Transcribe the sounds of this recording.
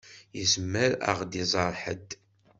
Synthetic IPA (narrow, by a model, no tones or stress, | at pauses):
jəzmːəɾə̰ʁd̪izˤɑɾˤħə̰d̪